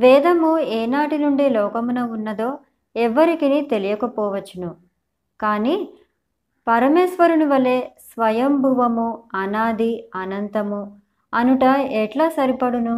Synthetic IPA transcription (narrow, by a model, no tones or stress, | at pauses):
ʋɛːd̪ɐmueːnaːʈinuɳɖilɔːkɐmunɐunːɐd̪o̞ː | ɛʋːɐɾikinit̪e̞lijɐkɐpɔːʋɐt͡ʃːinu | kaːni | pɐɾɐmeːsʋɐɾuniʋɐle̞ːsʋɐjɐmbʱuʋɐmuɐnaːd̪iɐnɐnt̪ɐmu | ɐnuʈɐɛʈlaːsɐɾipɐɽunu